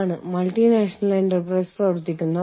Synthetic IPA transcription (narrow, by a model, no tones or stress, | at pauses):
ɳɨmɐlʈinaːʂɐnɐleɳʈɐrpɾɐjsɐɽut̪ːikʲːunːɐ